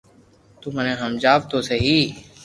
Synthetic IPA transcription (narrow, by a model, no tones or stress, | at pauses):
t̪uməneɦəmd͡ʒaːʋt̪oseɦiː